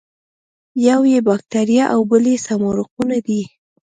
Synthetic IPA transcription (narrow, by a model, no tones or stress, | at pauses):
jawjebɑk̚t̪aɾijaʔawbəlesamoɾʊqunad̪i